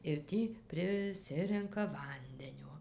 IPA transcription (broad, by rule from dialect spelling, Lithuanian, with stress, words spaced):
ɪr ˈtʲiː pʲrʲɪˈsʲɪrʲɛŋkɐ ˈʋɐnʲdʲɛnʲoː